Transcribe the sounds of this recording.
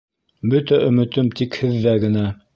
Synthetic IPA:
bɵt̪æʔɵ̆mɘ̆t̪ɵmt̪ikhɘðːæɡɘ̆næ

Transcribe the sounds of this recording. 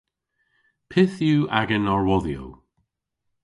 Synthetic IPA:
pʰɪθjuːʔa̰ɡənɔɹwɔðjo̰w

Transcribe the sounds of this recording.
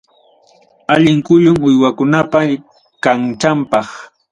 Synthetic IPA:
aʎɪŋkʊʎʊŋʊjwakʊnapa | kaŋt͡ʃampɑχ

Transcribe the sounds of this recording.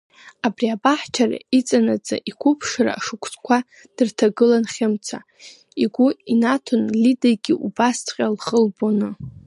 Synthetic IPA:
abriabaħt͡ʃʰara̰it͡sʼanad͡zʼa̰ʔikʷʰʊpʰʂra̰ːʂɨkʷʰt͡sʼkʷʰa | d̥ɨrtʰaɡɨlanχʲɪmt͡sʰa | iɡʷuinatʰonlidajɡʲiʔubast͡sʰʼqʲʼalχəlbonɨ

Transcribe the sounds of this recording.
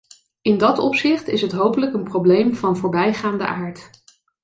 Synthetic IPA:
ɪndɑtɔpsɪχtɪsɦətɦowpələkənprowblejmvɑnvoːɹbɛjχaːndə̰ʔaːɹt

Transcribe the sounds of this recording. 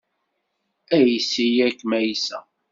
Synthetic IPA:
æjisijækːmæjsæ̰

